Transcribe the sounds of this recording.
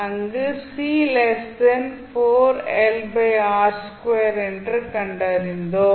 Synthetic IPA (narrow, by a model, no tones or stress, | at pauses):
ɐŋɡɯsiːlɛsɐnfoːɾɛlbeaːɾskʋeːɾɛndrɯkɐɳɖɐɾind̪oː